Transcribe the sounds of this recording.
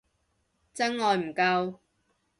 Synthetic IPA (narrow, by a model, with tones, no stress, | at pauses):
t͡sɐ˥ŋːɔː˨˧jm̩˨˩kɐ˧w